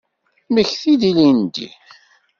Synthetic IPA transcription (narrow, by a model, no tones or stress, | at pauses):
məçθid̪ilind̪ḭ